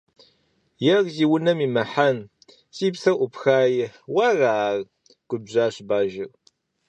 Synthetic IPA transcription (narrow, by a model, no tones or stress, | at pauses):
jɛrziːwʊnɐmiːmɐħan | sʼiːpsɐʔʷʊpxaːjɪħwɐraːr | ɡ̥ʷʊbʑaːɕbaːʒɪr